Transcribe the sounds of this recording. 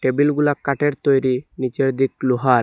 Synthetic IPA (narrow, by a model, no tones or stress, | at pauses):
ʈebilɡulakːaʈeɾt̪ɔjɾinit͡ʃeɭd̪ikluɦaɾ